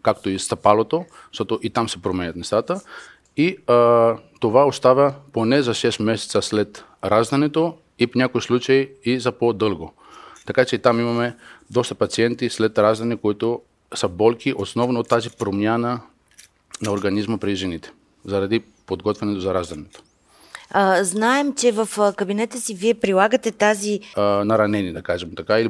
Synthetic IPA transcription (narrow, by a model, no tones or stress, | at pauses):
kakt̪oist̪ɐpalˠot̪oʃt̪ot̪oʔit̪amsɛpɾomɛɲʲɐt̪mɛst̪at̪ə | i | t̪ovaost̪avʲɐponɛzaʃɛst̪mɛsɛ̥t̪saslɛt̪ | ɾazd̪ɐnɛt̪o | ipnʲakoislˠut͡ʃaiizapod̪ɤlˠɡo | t̪ɐkat͡ʃɛit̪amimamɛd̪ɔst̪ɐpat̪siɛnt̪islɛt̪ɾazd̪ɐnikoit̪o | səbɔlˠkiʔosnɔvnoot̪ːazipɾomjanə | nɐoɾɡɐnizməpɾiʒɛnit̪ɛ̥ | zɐɾad̪i | pod̪ɡɔt̪vɛnɛt̪ozɐɾazd̪ɐnɛt̪o̥ | znaɛmt͡ʃɛvɐfkɐbinɛt̪əsiviɛpɾilˠaɡət̪ɛt̪azinɐɾɐnɛnid̪ɐkaʒɛmt̪akaili